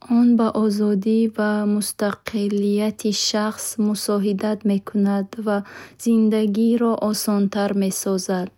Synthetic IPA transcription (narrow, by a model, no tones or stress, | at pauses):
ɔnbaʔɔzɔd̪ivamust̪aqʰiliat̪ʰiʃaχsmusɔɦid̪at̪me̞kʰunad̪vaz̥ind̪aɡiɾɔʔɔsɔnt̪ʰaɾme̞sɔzad̪̥̚